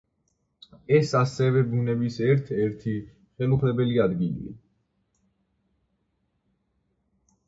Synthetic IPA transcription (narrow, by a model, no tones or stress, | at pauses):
ɛsasɛvɛbunɛbisɛɾt̪ʰɛɾt̪ʰi | χɛluχʰlɛbɛliad̪ɡili